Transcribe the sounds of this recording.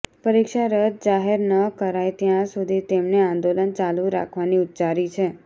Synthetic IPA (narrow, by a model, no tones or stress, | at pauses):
pəɾikʃaɾət̪̚d͡ʒaɦeɾnəkəɾajt̪jãsud̪ʱit̪emneãnd̪olənt͡ʃalũɾa̰kʰʋaniut̪ːt͡ʃaɾit͡ʃʰe